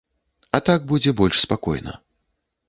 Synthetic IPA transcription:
ɐt̪aɡ̚bud͡zʲɛbɔlʲʂspakɔ̰jnɐ̰

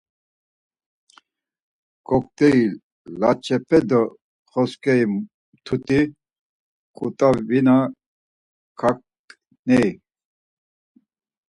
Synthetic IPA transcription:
ɡ̥ɔk̚t̪ɛi | lat͡ʃʰɛpʰɛd̪ɔ | χɔskʰʼɛim | t̪ʰut̪ʼi | kʼut̪ʼavina | kʰak̚ | nɛj

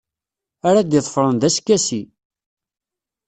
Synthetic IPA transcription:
aɾad̪jəðˤəfɾˤənðæskːæsi

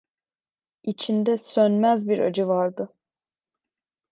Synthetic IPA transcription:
it͡ʃʰind̪ɛsønmæzbiɾa̰d͡ʒɯvaɾd̪ɯ

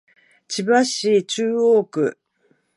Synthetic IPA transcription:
t͡ɕibaɕiːt͡ɕɨːoːkɯ̟

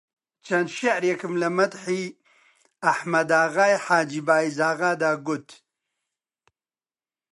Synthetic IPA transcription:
t͡ʃʰɐnd̪ʃeʕɾjekɨmlɐmɐt̪ħiː | ɐħmɐd̪aːɣaːjħaːd͡ʒiːbaːizaːɣaːd̪aːɡut̪

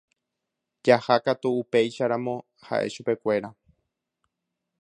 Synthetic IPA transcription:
d͡ʒahakat̪uːpe̞jʃaɾãmõ̞ | ha̰ʔe̞̰ʃupe̞kʷe̞ɾa

